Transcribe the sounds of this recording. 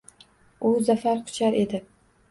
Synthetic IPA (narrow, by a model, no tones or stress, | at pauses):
ʊzafaɾqʰʊ̥t͡ʃʰaɾʔe̞d̪ɪ